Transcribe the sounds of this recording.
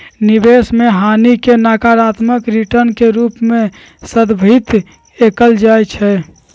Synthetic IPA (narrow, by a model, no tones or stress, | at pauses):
nibesmeɦanikenakaɾat̪məkɾiʈəɾnkeɾupme | səd̪bʱit̪ | ekəld͡ʒajt͡ʃʰɛ